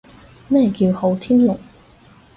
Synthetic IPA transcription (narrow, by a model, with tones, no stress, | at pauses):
mɛː˥˩kiː˧who˨˥wt̪ʰiː˥nlʊ˨˩k̚